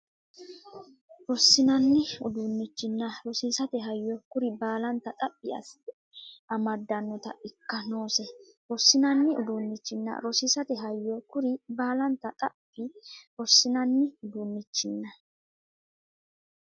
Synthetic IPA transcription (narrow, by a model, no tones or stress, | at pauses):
ɾɔsːɪnɐnːɪʊd̪ʊnːɪt͡ʃːɪnːɐɾɔsiːsɐt̪ɛɦɐjːɔkʊɾɪbaːlɐnt̪ɐt̪ʼɐpʼːɪɐ̰s | ɐmɐd̪ɐnːɔt̪ɐ̰ɪkːɐnoːsɛ | ɾɔsːɪnɐnːɪʊd̪unːɪt͡ʃːɪnːɐ̰ɾɔsisɐt̪ɛɦɐjːɔkʊɾɪbaːlɐnt̪ɐt̪ʼɐpʼːɪɾɔsːɪnɐnːɪʊd̪unːɪt͡ʃːɪnːɐ